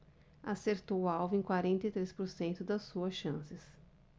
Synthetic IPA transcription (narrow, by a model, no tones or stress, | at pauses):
aseɾt̪owawvẽkwaɾẽnt̪ɐjt̪ɾespoɾsẽnt̪ʊd̪ɐsuɐsʃɐ̃sɪs